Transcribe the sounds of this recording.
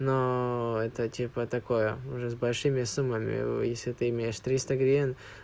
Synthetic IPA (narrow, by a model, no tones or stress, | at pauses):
noɛt̪ətʲipət̪ɐkojəʊʐɛzbɐlʲʂɨmʲɪsumːəmʲɪ̰jesʲlʲɪt̪ɨɪmʲejɪʂt̪ɾʲist̪əɡɾʲen